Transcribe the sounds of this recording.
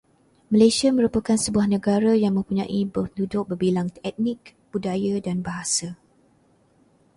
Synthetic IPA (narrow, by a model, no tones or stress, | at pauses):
mə̃lasiaməɾupəkansəbuahnə̃ɡaɾajaŋmə̃mpuɲã̰ʔibədudʊk̚bərbilaŋt̪ɛt̪̚nik̚b̥udajadanbaɦasa